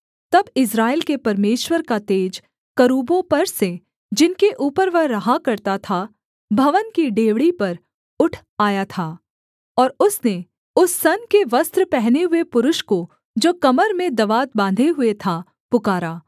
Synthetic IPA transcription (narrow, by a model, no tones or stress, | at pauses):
t̪ɐbɪs̬ɾaːelkepɐɾmeːʃwəɾkat̪eːd͡ʒ | kɐɾuːbõpɐɾse | d͡ʒɪnkeʔuːpəɾʋɐɾːɐɦakɐɾt̪at̪ʰa | bʱɐʋənkiɖeːʋɽipɐɾ | ʊʈʰ | aːjat̪ʰaː | ɔːɾʊsne | ʊsːɐnkeʋɐst̪ɾpɛɦneɦʊepʊɾʊʃko | d͡ʒoːkɐməɾmẽd̪ɐʋaːt̪̚bãːnd̪ʱeɦʊet̪ʰa | pʊkaːɾaː